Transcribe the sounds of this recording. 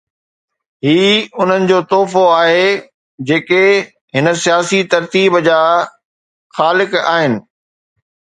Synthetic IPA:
ɦiːʊn̤ənɪ̆d͡ʑoːt̪oːfoaːɦe | d͡ʑeːke | ɦɪnəsijaːsit̪ɐɾt̪iːbd͡ʑaː | xaːlɪka̰ːɦɪnɪ̆

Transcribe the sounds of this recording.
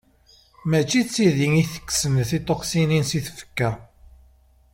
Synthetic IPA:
mæt͡ʃːit͡sːiðiŋiθə̥kːsənθit̪ˤːoqsininsiθfə̥kːæ

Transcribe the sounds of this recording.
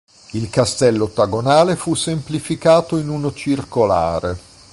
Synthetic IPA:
ilkast̪ɛlːoot̪ːaɡonaːlefusːemplifikaːt̪oinunot͡ʃirkola̰ːɾe

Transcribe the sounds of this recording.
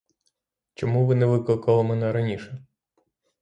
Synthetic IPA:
t͡ʃɔmuʋɪnɛʋɪklˠɪkɐlˠɔmɛnɛɾɐnʲiʃɛ

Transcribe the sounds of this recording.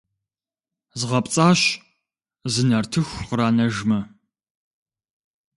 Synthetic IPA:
zʁɐpʼt͡sʼaːɕ | zɨnɐrtʰɨxʷqəɾaːnɐʒmɐ

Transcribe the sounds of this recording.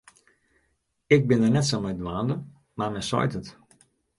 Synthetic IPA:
ɪk̚bɪndərnɛtsɔmɛjdəʋaːndə | marmɛnsɔ̰jtət

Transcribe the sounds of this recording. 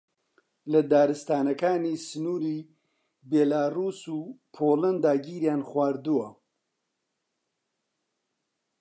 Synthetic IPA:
lɐd̪aːɾɨst̪aːnɐkaːniːsɨnuːɾiː | beːlaːruːsuːpʰoːlɐnd̪aːɡiːɾjaːnxwaːɾd̪uwɐ

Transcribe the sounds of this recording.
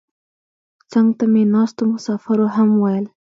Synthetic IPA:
t͡saŋɡt̪amenɑst̪omʊsɑfaɾoɦamwajəl

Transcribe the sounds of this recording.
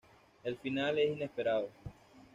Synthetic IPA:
e̞lfinale̞sine̞spe̞ɾaðo

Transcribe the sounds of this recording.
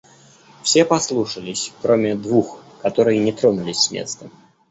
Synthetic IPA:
fsʲepɐslˠuʂəlʲɪsʲkɾomʲɪd̪vuxkɐt̪o̞ɾɨjənʲɪt̪ɾonʊlʲɪsʲsmʲḛt̪st̪ə

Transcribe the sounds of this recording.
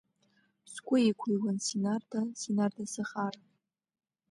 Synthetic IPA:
skʷʼʊikʷʰiwansinardasinardasɨχara

